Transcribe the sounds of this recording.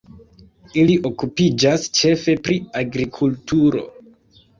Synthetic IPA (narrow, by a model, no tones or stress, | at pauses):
iliʔo̞kupid͡ʒast͡ʃe̞fe̞pɾiaɡɾikʰultuɾo̞̰